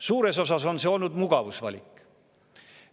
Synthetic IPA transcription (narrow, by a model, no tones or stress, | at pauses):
suːɾe̞so̞sɑso̞nse̞o̞lnud̪muɡ̥ɑvusvɑ̰lʲikː